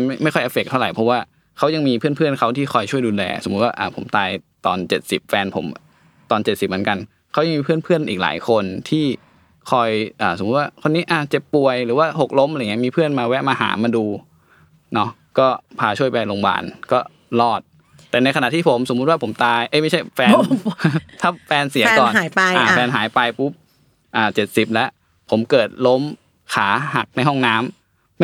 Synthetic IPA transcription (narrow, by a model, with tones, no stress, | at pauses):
jma˥˩jxʰɔ˥˩jʔa˦˥˩fe˨˩k̚t̪ʰa˥˩ɾa˨˩jpʰɔ˦˥waː˥˩ | kʰa˦˥wja˧ŋmiː˧pʰɯ˥˩ənpʰɯ˥˩ənkʰa˦˥wt̪ʰiː˥˩xʰɔ˧˩jt͡ɕʰu˥˩əjduː˧lɛ̰ː˧so˨˩˦m˦˥t̪waː˥˩ʔaː˨˩pʰo̰˨˩˦mt̪aː˧jt̪ɔː˧nt͡ɕe˨˩t̪̚si˨˩p̚fɛː˧npʰo̰˩˦m | t̪ɔː˧nt͡ɕe˨˩t̪̚si˨˩p̚m˩˦nka˧n | kʰa˦˥wa˧ŋmiː˧pʰɯ˥˩ənpʰɯ˥˩ənʔiː˨k̚la̰ː˩˦jkʰo˧nt̪ʰiː˥˩ | kʰɔ˧jʔaː˨˩so˨˩˦m˦t̪̚waː˥˩kʰo˧nːiː˦˥ʔaː˧˩t͡ɕe˨˩pːu˧˩əjɾɯː˩˦waː˥˩ho˨˩k̚lo˦˥mʔŋi˦˥˩miː˧pʰɯ˥˩ənmaː˧wɛ˦˥maː˧ha̰ː˩˦maː˧duː˧ | nɔ˦˥ | kɔː˥˩pʰaː˧t͡ɕʰu˥˩əjpa˧jlo˧ŋba̰ː˨˩nkɔː˥˩ | lɔː˥˩t̪̚ | t̪ːɛː˨˩na˧jkʰa˧na˨ʔt̪ʰiː˥˩pʰo˩˦mso˩˦m˦˥t̪̚waː˥˩pʰo˩˦mt̪aː˧jʔjma˥˩jt͡ɕʰa˥˩jfɛː˧n | t̪ʰa˦˥˩fɛː˧nsi˨˩˦kɔː˨˩na˨˩˦a˧ʔaː˧˨˩fɛː˧nɦaː˩˦jpa˧jpu˦˥p̚ | ʔaː˨˩t͡ɕe˨˩t̪̚si˨˩p̚lɛ˦˥ʔ | pʰo˩˦mkɤː˨˩t̪̚lo˦˥m | kʰaː˩˦ɦa˨˩k̚na˧jɦɔ˥˩ŋnaː˦˥m